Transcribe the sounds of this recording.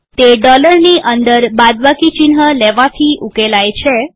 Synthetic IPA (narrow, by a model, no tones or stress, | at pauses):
t̪eɖɔləɾniʔənd̪əɾbad̪ʋakit͡ʃinɦəlɛʋat̪ʰiʔukelajt͡ʃʰe